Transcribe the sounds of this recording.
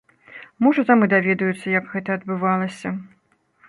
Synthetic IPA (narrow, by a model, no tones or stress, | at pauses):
mɔʐɐt̪amɨd̪avʲɛd̪ɐjut̪sːɐjɐkɣɛt̪ɐɐd̪̚bɨvalˠɐsʲɐ